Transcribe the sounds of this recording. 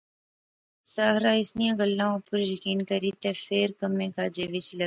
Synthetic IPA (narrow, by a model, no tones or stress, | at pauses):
saːɦɾaːɪsnijãːɡɐlːãːõpʊɾjɐkiːnkɐɾit̪efeːɾkɐmːẽːkaːd͡ʒeʋɪt͡ʃlɐ